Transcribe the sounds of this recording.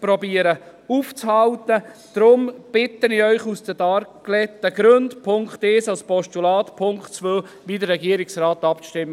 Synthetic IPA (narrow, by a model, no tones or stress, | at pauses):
pɾɔbiːəɾə | uːft͡shɑwt̪əd̪̥ɾʊmb̥ɪt̪ːəniœʏχusd̥ədɑɾklɛt̪ːəɡ̥ɾøndpʰʊŋkχt̪ɛsɑlspɔʃtulɑːtpʰʊŋktt͡sʋøː | ʋiːdəɾːɛɡiəɾɪksɾaːt̪ɑpʃtɪmːə